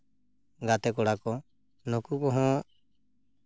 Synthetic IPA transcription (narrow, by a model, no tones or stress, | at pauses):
ɡat̪ɛkɔɽakɔ | nɔkukɔɦɔ̃